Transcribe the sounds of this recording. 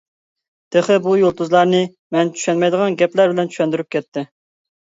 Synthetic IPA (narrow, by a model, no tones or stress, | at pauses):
d̪̥eχəbujolˠt̪uzlˠɑɾnɨ | mɛnt͡ʃʰy̥ʃɛnmɛjd̪əʁɑnɡʲɛplæɾbɪlɛnt͡ʃʰy̥ʃɛnd̪yɾyp̚kʲʰɛt̪ʰːɪ